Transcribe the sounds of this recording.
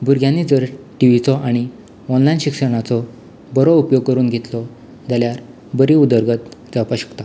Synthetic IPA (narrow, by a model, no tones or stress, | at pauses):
bʱuɾɡʱjanːid͡zəɾ | ʈiʋit͡sɔʔaɽ̃i | ɔnlajnɕikʂəɽ̃at͡sɔ | bɔɾɔupjoɡ̚kəɾuːnɡʱet̪lɔ | d͡zaljaɾ | bəɾiud̪əɾɡət̪d͡zapaɕə̥kt̪a